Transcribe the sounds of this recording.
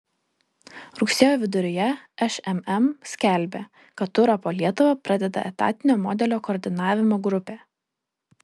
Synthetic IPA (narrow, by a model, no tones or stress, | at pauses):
ɾʊksʲeːjoːʋʲɪd̪ʊɾʲoːjɛɛʃɛmɛmsʲkʲɛˑlʲbʲeː | kɐt̪ːʊɾɐpoːlʲiɛt̪ʊʋɐpɾɐd̪ʲɛd̪ɐ̰ʔɛ̰t̪ɑ̰ːt̪ʲɪnʲoːmɔːd̪ʲɛlʲoːkɔːɾʲd̪ʲɪnɑːʋʲɪmoːɡɾʊpʲeː